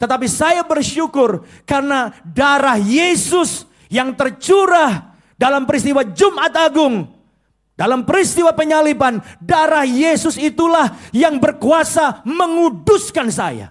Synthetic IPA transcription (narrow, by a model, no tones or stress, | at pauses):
t̪ət̪ap̬isajabərʃukʊr | karnadaɾahjesʊs | jaŋt̪ərt͡ʃuɾah | dalampəɾist̪iwad͡ʒumʔat̪aɡʊŋ | dalampəɾist̪iwapəɲalipandaɾahjesʊsit̪ulahjaŋbərkuasaməŋudʊskansa̰ja̰